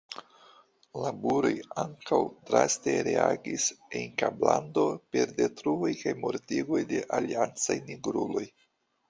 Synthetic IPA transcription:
labuɾo̞jaŋkawdɾaste̞ɾe̞aɡisenkablando̞pe̞ɾde̞tɾuojkajmo̞ɾtiɡo̞jde̞ʔaliant͡sajniɡɾulo̞j

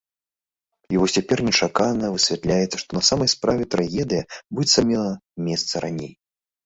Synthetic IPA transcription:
ivɔsʲt͡sʲapʲɛrnʲɛt͡ʂakanɐvɨsʲvʲɛt̪lʲajɛt̪sːɐʂt̪ɔnɐsamɐjspɾavʲɛt̪ɾaɣʲɛd̪ɨjɐbuɛt̪samʲilˠɐmʲɛst̪sɐɾa̰nʲej

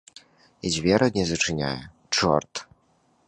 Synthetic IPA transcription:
id͡zʲvʲɛɾʔɐd̪ʲnʲɛzɨt͡ʂɨnʲa̰jɛ | t͡ʂɔrt̪

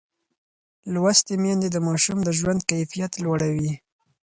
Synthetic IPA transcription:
lwast̪emjɑnd̪ed̪əmɑʃumd̪əʒwand̪̚kajfijat̪lwaɽawi

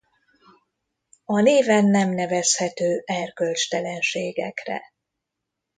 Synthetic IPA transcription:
ɒneːvɛnːɛmnɛvɛshɛt̪øːʔɛrkølt͡ʃt̪ɛlɛnʃeːɡɛkrɛ̰

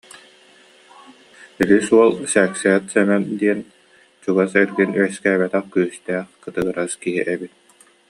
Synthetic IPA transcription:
ɛɾisuɔlˠsɛːksɛɛt̪sɛnand̪iɛn | t͡ɕuɡasɛɾɡinyɛskɛːbɛt̪ɛχkyːst̪ɛːχkɯt̪ɯɡɯɾaskiɦiʔɛbit̪̚

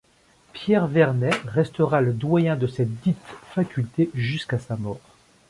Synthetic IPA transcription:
pjɛʁvɛʁnɛʁɛst̪əʁaləd̪wajɛ̃d̪əsɛt̪̚d̪it̪fakʲylt̪eʒyskasamɔːʁ

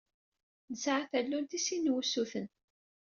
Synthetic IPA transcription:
nəsʕaθælːunt̪isinwusuθən

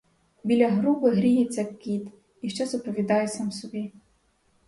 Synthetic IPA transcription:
bʲilʲɐɦɾubɪɦɾʲijit͡sʲːɐkʲːit̪ | iʃt͡ʃɛzɔpɾɔʋʲid̪ɑjesɑmsɔbʲi

